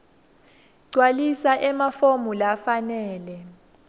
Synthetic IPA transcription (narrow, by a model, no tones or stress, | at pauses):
ǀwalisaʔɛmafomulafanɛːlɛ